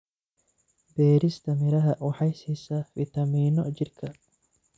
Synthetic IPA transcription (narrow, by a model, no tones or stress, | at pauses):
beːɾɪst̪ɐmɪɾɐɦɐʔwʊħɐjsisɐvɪt̪ɐmiːnɔd͡ʒɪɾkɐ